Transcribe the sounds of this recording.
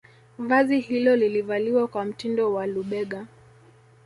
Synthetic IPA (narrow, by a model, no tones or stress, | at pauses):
vazihilɔlilivaliwakwam̩tindɔwaluɓɛɠa